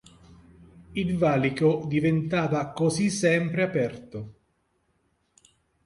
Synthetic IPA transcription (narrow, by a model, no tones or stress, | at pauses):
ilvaːlikod̪ivent̪aːvakozisːɛmpɾeapɛrt̪o